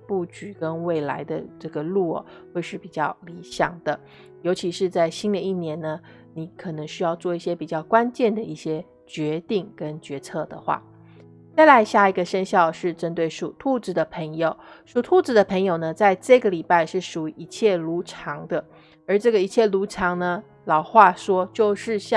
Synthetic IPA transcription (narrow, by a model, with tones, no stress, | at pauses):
pu˥˩t͡ɕy˨˩kə˦nwe˥˩ɪla̰˧˥ɪd̪ə̰˧ʈ͡ʂɤ˥˩ɡə˩lṵ˥˩ | xwe˥˧ɪʂɻ̩˥˩pi˨˩t͡ɕjɑ˥˩ʊli˧˥ɕjɑ̰˨˩ŋd̪̥ə˦ | jo˧˥ʊt͡ɕʰi˧˥ʂɻ̩˥˧t͡sa˥˩ɪɕi˥nd̪ə˨i˥˩njɛ˧˥nnə˧ | ni˧˥kʰɤ˨˩nɤ˧˥ŋɕy˥jɑ˥˧ʊt͡swɔ˥˧i˥˩ɕjɛ˥pi˨˩t͡ɕjɑ˥˩ʊkwa˦˥nt͡ɕjɛ˥˩nd̪ə˩i˥˩ɕjɛ˥ | t͡ɕɥɛ˧˥t̪i˥˩ŋkə˦˥nt͡ɕɥɛ˧˥t͡sʰɤ˥˩d̪ə̰˩xwa̰˥˩ | t͡sa˥˩ɪla˧˥ɪɕja˥˩i˧˥ɡə˧ʂə˥nɕjɑ˥˧ʊʂɻ̩˥˩ʈ͡ʂə˥nt̪we˥˩ɪʂu˨˩t̪ʰu˥˧ʈ͡ʂɻ̩˧˥d̪ə˨pʰɤ˧˥ŋjo˨˦ʊʂu˨˩t̪ʰu˥˧ʈ͡ʂɻ̩˥d̪ə˨pʰə˧˥ŋjo˨˩ʊnə˩t͡sa˥˧ɪʈ͡ʂɤ˥˩ɡə˩li˨˩pa˥˧ɪʂɻ̩˥˩ʂu˨˩i˧˥ʔi˧˥t͡ɕʰjɛ˥˩lu˧˥ʈ͡ʂʰɑ˧˥ŋd̪ə˧ | ə˞˧˥ʈ͡ʂɤ˥˩ɡə˩i˧˥t͡ɕʰjɛ˥˩lu˧˥ʈ͡ʂʰɑ˧˥ŋnə˧ | lɑ˨˩ʊxwa˥˩ʂwɔ˥t͡ɕjo˥˧ʊʂɻ̩˥˧ɕɑ˥˧